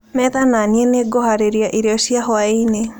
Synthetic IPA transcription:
mɛðananieneɡɔhaɾeɾiaʔiɾeɔɕiaɦɔaine

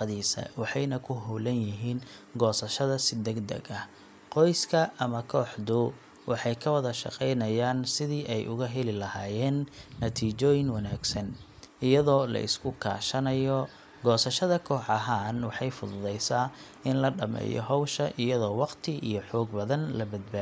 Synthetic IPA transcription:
ðiːsɐ̰wɑħɑjnɐkʰʊɦulɐnjɪɦiːnɡɔːsɐʃɐðɐsɪd̪ɛɡd̪ɐ̰ɡɐ | qɔjskʰɐʔɐmɐkʰɔːħd̪ʊ | wʔɑħɑjkʰɐwɐðɐʃɑ̰qɛjnɐjaːnsɪðiːʔɛjʔʊɣɐɦɛlɪlɐhaːjɛːnːɐt̪ʰiːt͡ʃɔːjɪŋwɑnaːɡsɐn | ɪjɐðɔːlɐ̰ʔɪ̰skʰʊkʰa̰ːʃɐnɐjɔ | ɡɔːsɐʃɐðɐkʰɔːħɑɦaːnwɑħɑjfʊðʊðɛjsaː | ɪnlɐɖɐmɛ̰ːjɔ̰ɦɔwʃɐʔɪjɐðɔːwɑqt̪ʰɪḭjɞħɔːɡ̚bɐðɐnlɐbɐd̪̚baː

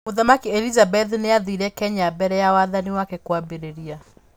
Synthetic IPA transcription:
oðamakiɛlizabɛðneaðiɾɛkɛɲabɛɾɛjawaðaniwakɛkwabeɾeɾia

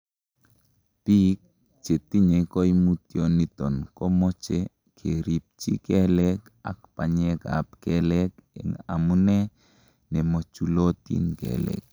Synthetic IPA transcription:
pik̚ | t͡ʃetiɲekɔjmutjɔnitɔnkɔmɔt͡ʃe | kʰeɾip̚t͡ʃikɛlɛka̰k̚paɲɛka̰p̚kɛlɛkɛ̰ŋa̰munɛ | nɛmɔt͡ʃulotḭnkɛ̰lɛ̰k̚

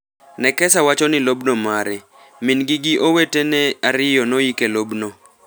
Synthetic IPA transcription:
nɛkɛsawat͡ʃɔnɪlobnomaɾɛ | mɪnɡɪɡɪʔowetenɛaɾɪjɔnoikelobno

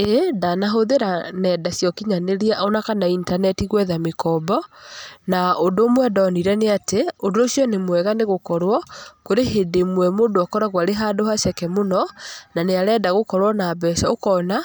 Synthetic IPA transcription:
edanaɦoðeɾanɛːdasjɔkiɲaneɾiaʔɔnakanaintanɛtiɣwɛðamekɔbɔnaodoːmwɛdɔːniɾɛneateondoosjɔnemwɛɣaneɣokɔɾwɔkoɾeɦedemwɛmoːdoakɔɾaɣwaɾeɦaːdoɦaɕɛkɛmonɔnaneaɾɛːdaɣokɔɾwɔnaːbɛsaokɔna

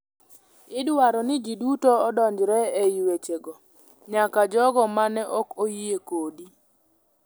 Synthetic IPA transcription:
ɪdwaɾɔnɪd͡ʒidutoːdɔɲd͡ʒɾɛɛjwet͡ʃeɡɔ | ɲakad͡ʒɔɡɔmanɛʔɔkojiekodi

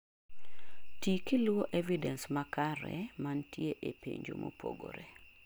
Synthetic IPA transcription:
tikilwoʔevidɛnsmakaɾɛmantjeʔepeɲd͡ʒo̰mʔopʰo̰ɡoɾe

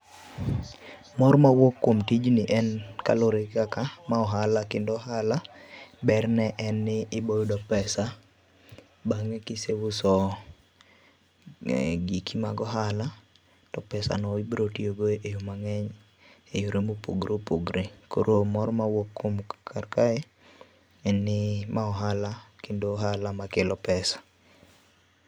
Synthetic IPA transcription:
mɔɾmawokːomtid͡ʒnɪʔɛnkaloɾekakamaɔɦalakɪndɔɦalabɛrnɛʔɛnːɪɪbojdɔpɛsa | baŋɛkɪsewʊsɔ | ɡikima̰ɡɔɦala | tɔpɛsa̰nɔibɾotioɡoʔejomaŋɛɲ | ejoɾemopṵɡɾʔopuɡɾʔekoɾomɔɾmawokːomkʰarkae | ɛnːɪmaɔɦalakendoɦalamakɪlɔpɛsḁ

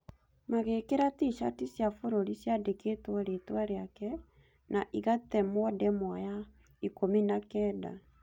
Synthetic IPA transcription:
maɣekeɾatiʃatisjafoɾoɾisjadeketwaɾetwaɾeakɛ | naʔiɣatɛmɔdɛmwaja | ikominakɛːda̰

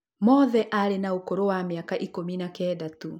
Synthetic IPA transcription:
mɔðɛʔalenaukɔɾowamiakaʔikuminakɛdatu

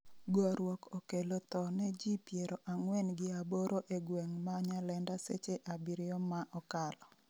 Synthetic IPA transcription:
ɡɔɾwɔkʰokelot̪ɔnɛd͡ʒipjeɾoʔaŋwɛnɡɪaboɾʔoʔeɡwɛŋmaɲalɛndasḛt͡ʃeʔabiɾɪjɔmːaʔɔkalɔ

